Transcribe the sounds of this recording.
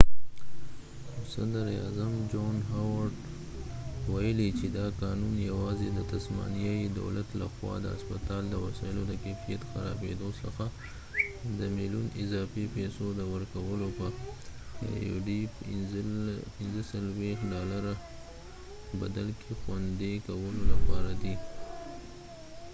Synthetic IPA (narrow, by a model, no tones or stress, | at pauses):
sad̪əɾiɑ̰zamd͡ʒonɦawaɾɖ | wajəlit͡ʃed̪ɑkɑnunjawɑzed̪ət̪asmɑ̰nijajid̪a̰wlat̪la̰xwɑ̰d̪ə̰a̰spat̪ɑld̪əwa̰sɑɪlod̪əkefijat̪xaɾɑ̰bed̪osəxa | d̪əmilunɪzɑfipesod̪əwəɾkawəlopə̰ | jo̰ɖi | pɪnzəsalwext̪ɖɑlaɾa | ba̰d̪alkʰexwand̪ekawəlolapɑɾad̪i